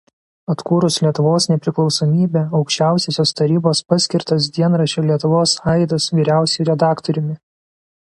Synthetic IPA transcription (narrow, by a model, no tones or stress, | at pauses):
ɐt̪kuːɾʊslʲiɛt̪ʊʋoːsnʲɛpʲɾʲɪklˠɒʊsoːmʲiːbʲeːɒʊkʃʲt͡ʃʲæˑʊsʲeːsʲoːst̪ɐɾʲiːboːspɑsʲkʲɪɾt̪ɐs̬d̪ʲiɛnɾɐʃʲeːlʲiɛt̪ʊʋoːsɑˑɪd̪ɐsʋʲiːɾʲæˑʊsʲɛɪɾʲɛd̪ɑːkt̪ɔɾʲʊmʲɪ